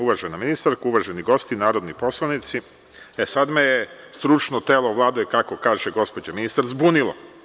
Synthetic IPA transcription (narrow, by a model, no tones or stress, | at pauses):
uʋaʒenaminist̪aɾkuuʋaːʒeniɡost̪inaːɾo̞d̪nipo̞slˠanit̪si | esad̪mejest̪ɾut͡ʃnot̪eːloʋlˠaːd̪okakokaːʒeɡo̞spo̞d͡ʑeminist̪aɾzbunilo̰